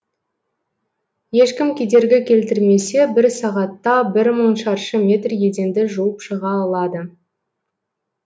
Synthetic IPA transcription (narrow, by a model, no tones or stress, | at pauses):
je̞ʃkʲɪmkʲʰe̞d̪e̞ɾɡʲɪkʲʰe̞lt̪ɪɾme̞se̞bɪɾsɑʁɑt̪ːɑbɪɾməɴʃɑɾʃəmʲe̞t̪rje̞d̪e̞nd̪ɪʒuwəpʃəʁɑːlˠɑd̪ə